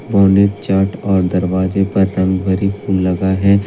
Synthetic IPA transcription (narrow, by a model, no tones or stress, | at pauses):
bɔːnet̪t͡ʃaːʈɔːɾd̪ɐɾʋaːzepɐɾːɐ̃ŋɡbʱɐɾifʰuːlːɐɡaɦɛ